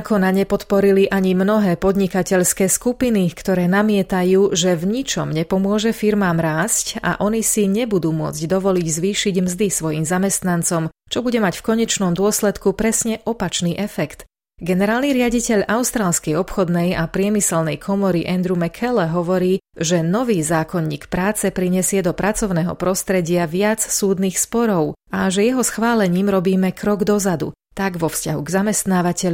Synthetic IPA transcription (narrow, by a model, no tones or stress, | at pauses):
kʰɔnaɲɛpɔt̪pɔɾiliʔaɲimnɔɦɛːpɔd̪ɲikacɛʎskɛːskupinikt̪ɔɾɛːnamɪɛt̪ajuːʒɛvɲit͡ʃɔmɲɛpɔmʊɔʒɛfiɾmaːmɾaːsca̰ʔɔnisiɲɛbud̪uːmʊɔ̰d͡zɟd̪ɔʋɔliɟzʋiːʃiɟmzd̪isʋɔjiːmzamɛst̪nant͡sɔmt͡ʃɔbuɟɛmacfkɔɲɛt͡ʃnɔmd̪ʊɔslɛt̪kupɾɛsɲɛʔɔpat͡ʃniːʔɛfɛkt̪ | ɡɛnɛɾaːlniɾɪaɟicɛʎʔaʊst̪ɾaːlskɛjɔpxɔd̪nɛjapɾɪɛmisɛlnɛjkʰɔmɔɾiʔɛnd̪ɾumɛkʰɛlɛɦɔʋɔɾiːʒɛnɔʋiːzaːkɔɲːḭːkpɾaːt͡sɛpɾiɲɛsɪɛd̪ɔpɾʔat͡sɔʊnɛːɦɔ̰pɾɔst̪ɾɛɟɪaʋɪat͡ssuːd̪niːxspɔɾɔʊaʒɛjɛɦɔsxʋaːlɛɲiːmɾɔbiːmɛkɾɔɡd̪ɔzad̪ṵ | t̪aɡʋɔfscaɦṵɡzamɛst̪naːʋacɛʎ